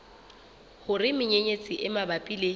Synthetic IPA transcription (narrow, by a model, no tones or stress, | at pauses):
hʊrɪmɪɲeɲet͡sʼɪʔɪmabapʼile